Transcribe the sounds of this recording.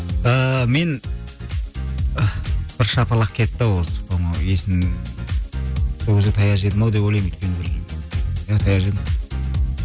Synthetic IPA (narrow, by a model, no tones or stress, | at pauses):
əme̞n | b̥ɪɾʃɑpɑlˠəq̚kʰʲe̞t̪ːɪwosə̥pɑmɑwesɪn | sokʰʲezɪt̪ʰɑjɑʒed̪mɑwd̪ep̬wojlˠɑjmɵt̪̚kʲenɪbɪɾ | jat̪ʰɑjɑʒed̪ɪm